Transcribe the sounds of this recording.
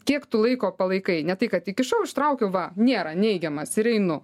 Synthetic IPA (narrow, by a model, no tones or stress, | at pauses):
kʲiɛkt̪ʊlˠɐɪkoːpɐlˠɐɪkɐɪnʲɛt̪ɐɪkɐt̪ʲɪkʲɪʃɐʊɪʃt̪ɾɐʊkʲɛʊʋɐnʲeːɾɐnʲɛɪɡʲɛmɐsɪɾɛɪnʊ